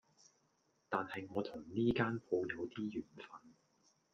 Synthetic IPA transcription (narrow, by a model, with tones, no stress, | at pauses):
t̪aː˨nhɐ˨jŋɔː˨˧t̪ʰʊ˨˩ŋniː˥kaː˥npʰo˧wjɐ˨˧wt̪iː˥jyː˨˩nfɐ˧n